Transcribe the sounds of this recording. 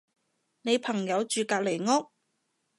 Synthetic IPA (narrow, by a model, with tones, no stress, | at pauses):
ne˨˧jpʰɐ˨˩ŋjɐ˨˧wt͡ʃyː˨˧kaː˧k̚le˨˩jŋɔː˥k̚